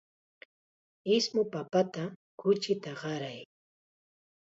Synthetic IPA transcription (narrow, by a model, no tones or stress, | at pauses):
ɪsmʊpapat̪a | kʊt͡ʃɪt̪aɢɑɾaj